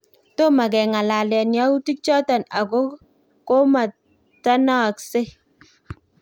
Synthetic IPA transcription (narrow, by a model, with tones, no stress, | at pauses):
to˦ma˨k̬ɛ˨ŋa˨la˨lɛ˨nja˦u˦ti˦k̚t͡ʃɔ˦ta˨na˨ko˦ | ko˦ma˨ | ta˦na˦˨kse˦